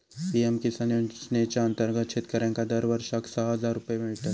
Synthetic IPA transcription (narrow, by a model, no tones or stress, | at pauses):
piemkisɐnosnet͡ʃaɐ̃nt̪əɾɡət̪t͡ʃʰɪt̪kɐɾẽːkad̪ɐɾʋɐɾʃaksaɦɐzaːɾːʊpjeʋɪʈ̪ɐ